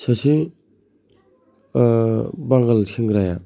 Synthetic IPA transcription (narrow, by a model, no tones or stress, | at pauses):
sasi | baŋɡalsʰiŋɡɾaja